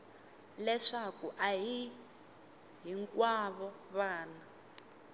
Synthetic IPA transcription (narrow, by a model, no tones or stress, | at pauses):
lɛʂakuʔaji | ɦiŋkʼwaβɔ | βaːna